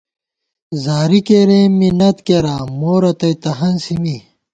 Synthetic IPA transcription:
zaːɾikeɾẽːminɐt̪keɾaːmoːɾɐt̪ɐjt̪ɐɦɐnsimi

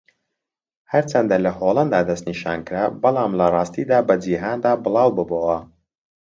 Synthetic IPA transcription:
hɐɾt͡ʃɐnd̪alɐholˠɐnd̪aːd̪ɐst̪niʃa̰ːnkɾabɐlˠaːmlɐrˤɑːst̪iːd̪aːbɐd͡ʒiɦaːnd̪aːbɨlˠaːwbɨboːwɐ

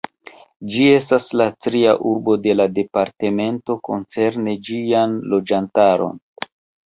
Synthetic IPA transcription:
d͡ʒie̞staslatɾia̰ʔuɾbo̞de̞lade̞paɾte̞me̞nto̞ko̞nt͡se̞ɾned͡ʒianlo̞d͡ʒantaɾo̞̰n

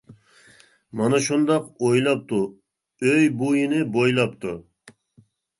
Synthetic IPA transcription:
mɑnɑʃund̪ɑqojlˠɑp̚t̪ʰu | øjbujinɪbojlˠɑp̚t̪ʰu

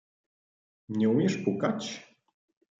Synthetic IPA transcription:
ɲɛumʲjɛʂpukat͡ɕ

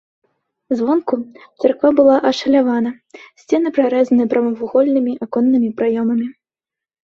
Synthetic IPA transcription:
zvɔnkut̪sarkvabɨlˠaʔɐʂɐlʲavanɐ | sʲt͡sʲɛnɨpɾaɾɛzɐnɨpɾɐmɐvuɣɔlʲnɨmʲiʔakɔnːɨmʲipɾajɔmɐmʲi

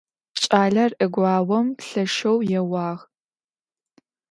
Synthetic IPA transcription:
t͡ʃʼaːɮɐrɨɡʷɑːwɔmɬɐʂɐwjɛwɑːʁ

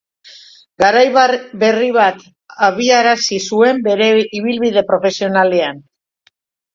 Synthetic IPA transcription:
ɡaɾajbe̞riβat̪ | aβiaɾasisue̞mbe̞ɾe̞iβilβiðe̞pɾo̞fe̞sionale̞an

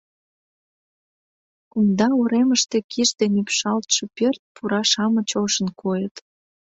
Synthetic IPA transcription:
kund̪ɑuɾeməʃt̪ekʰiʃd̪enypʃɑlt̪ʃĕpørt̪̚puɾɑʃɑmət͡ɕoʃənkʰojət̪

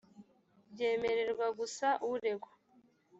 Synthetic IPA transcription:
bɟe̞ːmeɾe̞ɾɡwaɡusaʔuɾeɡwo

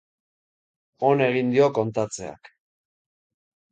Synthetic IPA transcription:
o̞ne̞ɣ̞ind̪io̞ko̞nt̪at͡se̞a̰k

